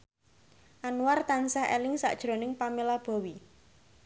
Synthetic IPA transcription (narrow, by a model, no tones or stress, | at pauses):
ʔanwart̪ansahɛ̰lɪŋsa̰ʔd̥ʒ̥ɾo̤nɪŋpamelab̥ɔ̤wi